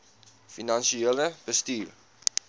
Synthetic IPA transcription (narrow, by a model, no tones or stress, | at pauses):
finɐnʃieːləb̥əstiːr